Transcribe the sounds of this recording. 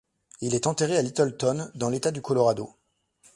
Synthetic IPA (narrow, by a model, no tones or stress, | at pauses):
ilɛt̪ɑ̃t̪eʁealit̪ɔlt̪ɔnd̪ɑ̃let̪ad̪ykɔlɔʁad̪o